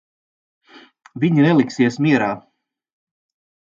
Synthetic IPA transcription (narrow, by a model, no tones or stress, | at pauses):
viɲinɛlˠiksiɛsmiɛɾaː